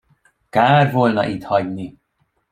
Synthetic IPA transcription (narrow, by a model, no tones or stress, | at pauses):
kaːrvolnɒ̰ʔit̪hɒɟni